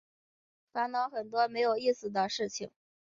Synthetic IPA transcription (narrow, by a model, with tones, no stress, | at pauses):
fa˧˥nnɑ˧˥ʊxə˨˩nt̪wɔ˥me˧˥ɪjo˨˩ʊi˥˩sɹ̩˨˩d̪ə˦ʂɻ̩˥˩t͡ɕʰḭ˨˩ŋ